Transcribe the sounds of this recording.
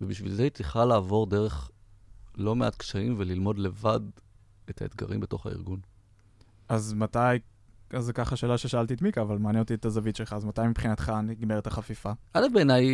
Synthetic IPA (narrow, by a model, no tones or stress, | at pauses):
vebiʃvḭlzeit͡sliχalaːvo̞ʁde̞ʁe̞χ | lo̞meʔat̪kʃaimvelilmo̞dle̞vad | et̪ʰaet̪ɡa̰ʁimbeto̞χa̰ḭʁɡun | azmat̪aj | azekaχaʃe̞ːlaʃe̞ʃaalt̪ietmikaːvalmaːnjenotiet̪azavit̪ʃe̞lχaːzmat̪ajmipχinat̪χaniɡmeʁet̪aχafifaʔalefbeːnaj